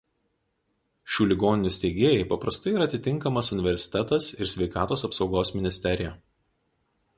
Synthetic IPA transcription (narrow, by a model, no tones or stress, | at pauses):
ʃʲuːlʲɪɡoːnʲɪnʲʊsʲt̪ʲɛɪɡʲeːjɛɪpɐpɾɐst̪ɐɪiɾɐt̪ʲɪt̪ʲɪŋˑkɐmɐsʊnʲɪʋʲɛɾʲsʲɪ̥t̪ʲɛt̪ɐsɪɾsʲʋʲɛɪkɑːt̪oːsɐpsɒʊɡoːsmʲɪnʲɪsʲt̪ʲɛɾʲɪjɛ